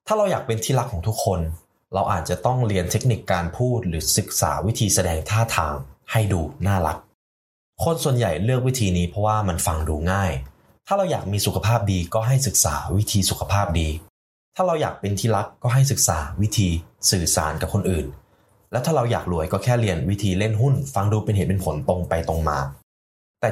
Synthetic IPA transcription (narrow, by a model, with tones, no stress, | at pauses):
t̪ʰaː˥˩ɾa˧wjaː˨˩k̚pe˧nt̪ʰiː˥˩la˦˥kʰːɔː˩˦ŋt̪ʰu˦˥kʰːo˧n | ɾa˧wʔa̰ː˨˩t̪̚t͡ɕa˨˩t̪ɔ˥˩ŋɾi˧ənt̪ʰe˦˥k̚ni˨˩kːaː˧npʰuː˥˩t̪̚ɾɯː˩˦sɯ˨˩k̚sa̰ː˩˦wi˦˥t̪ʰiː˧sa˧dɛː˧ŋt̪ʰaː˥˩t̪ʰaː˧ŋha˥˩jduː˧naː˥˩la˦˥k̚ | kʰo˧nsu˨˩ənja˨˩jlɯ˥˩ək̚wi˦˥t̪ʰiː˧niː˦˥pʰɾɔ˦˥waː˥˩ma˧nfa˧ŋduː˧ŋaː˥˩j | t̪ʰaː˥˩ɾa˧wjaː˨˩k̚miː˧su˨˩kʰa˧pʰaː˥˩p̚diː˧kɔː˥˩ɦa˥˩jsɯ˨˩k̚sa̰ː˩˦wi˦˥t̪ʰiː˧su˨˩kʰa˧pʰaː˥˩p̚diː˧ | t̪ʰaː˥˩ɾa˧wjaː˨˩k̚pe˧nt̪ʰiː˥˩la˦˥kːɔː˥˩ɦa˥˩jsɯ˨˩k̚sa̰ː˩˦wi˦˥t̪ʰiː˧sɯː˨˩sa̰ː˩˦nka˨˩p̚kʰo˧nʔɯː˨˩n | lɛː˦˥wt̪ʰaː˥ɾa˧wja̰ː˨˩k̚lu˩˦əjkɔː˥˩kʰɛː˥˩li˧ənwi˦˥t̪ʰiː˧le˥˩nɦu˥˩nfa˧ŋduː˧pe˧nheː˨˩t̪̚pe˧npʰo˨˩˦nt̪o˧ŋpa˧jt̪o˧ŋma̰ː˧ | t̪ɛː˨˩